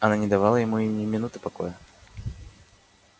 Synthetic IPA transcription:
ɐnanʲɪd̪ɐvalˠəjɪmuinʲɪmʲɪnut̪ɨpɐko̰jə

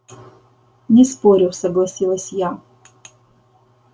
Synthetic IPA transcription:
nʲɪspoɾʲɪfsɐɡlˠɐsʲilˠɐsʲja

